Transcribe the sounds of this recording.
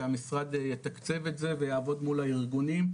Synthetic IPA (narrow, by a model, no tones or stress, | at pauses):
amisʁad̪jet̪akt͡se̞vetze̞vejaːvo̞d̪mulaiʁɡunim